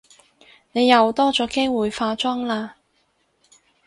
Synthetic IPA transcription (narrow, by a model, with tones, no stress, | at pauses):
ne˨˧jːɐ˨˧wt̪ɔː˥t͡sɔː˨˥ke˥jwuː˨jfaː˧t͡sɐ˥ŋlaː˧